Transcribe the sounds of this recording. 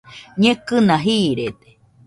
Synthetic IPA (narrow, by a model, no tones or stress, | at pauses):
ɲẽkɨnãɦiːɾed̪e̥